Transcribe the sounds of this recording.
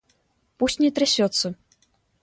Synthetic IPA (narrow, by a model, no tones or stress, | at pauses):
pusʲtʲnʲɛt̪ɾɛsʲɔt̪sːɐ